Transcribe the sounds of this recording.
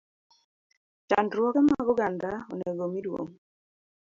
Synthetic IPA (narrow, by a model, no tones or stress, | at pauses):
t͡ʃa̰ndɾwɔkɛmaɡɔɡandao̰neɡomidwo̰ŋ